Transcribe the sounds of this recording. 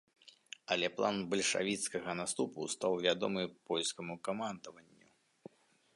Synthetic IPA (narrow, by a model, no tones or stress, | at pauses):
ɐlʲɛplˠanbɐlʲʂa̰vʲit̪skɐɣɐnast̪upṵst̪awvʲad̪ɔmɨpɔlʲskɐmukamand̪ɐvɐnʲːu